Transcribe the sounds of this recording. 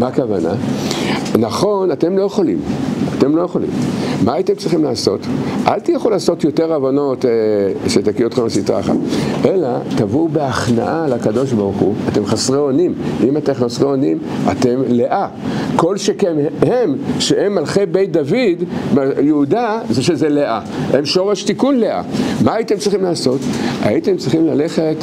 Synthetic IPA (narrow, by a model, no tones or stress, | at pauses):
makavana̰ | naχo̞nat̪e̞mlo̞jeχo̞lḭmat̪e̞mlo̞jeχo̞lḭmmaːt̪emt͡sʁiχimlaːso̞̰tʔa̰lt̪ijaχolaːso̞t̪jo̞teʁavano̞tʃet̪akiot̪χemasitʁa̰χa̰ʔelat̪avubeaχna̰ʔalakado̞ʃbaʁχuate̞mχasʁeonimʔimat̪emχasʁeonima̰te̞mleʔa | ko̞lʃekemhemʃeʔemːalχebe̞jt̚d̪avidmajeudazeʃezeleʔa | ʔemʃo̞ʁeʃt̪ikunleʔa̰maːitemt͡sʁiχimlaːso̞taite̞mt͡sʁiχimlale̞χet